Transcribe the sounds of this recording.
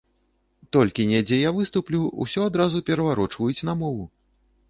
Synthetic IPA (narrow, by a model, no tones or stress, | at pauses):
t̪ɔlʲkʲinʲɛd͡zʲɛjavɨst̪uplʲuṵsʲɔad̪ɾazupʲɛɾɐvaɾɔt͡ʂvɐjut͡sʲnɐmɔvu